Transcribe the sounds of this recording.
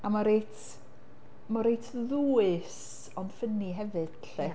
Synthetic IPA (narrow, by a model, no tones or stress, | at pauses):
amaɾejtʰ | mɔɾejtʰðuːɨs | ɔnd̥fəniɦɛvɨd̥ɬɛ